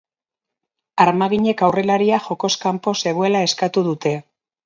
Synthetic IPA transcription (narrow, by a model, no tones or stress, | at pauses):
aɾmaɣiɲe̞kawre̞laɾiaxo̞ko̞skampo̞se̞ɣ̞oe̞lae̞skat̪uð̞ut̪e̞